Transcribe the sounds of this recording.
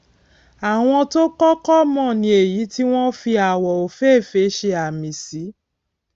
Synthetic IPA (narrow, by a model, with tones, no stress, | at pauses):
a˨w̃ɔ̃˧to˦kɔ˦kɔ˦mɔ̃˦˨nĩ˧˦e˨ji˨˦ti˦w̃ɔ̃˦fi˧a˨wɔ˨o˨fe˦˨fe˨˦ʃe˧a˨mĩ˨si˨˦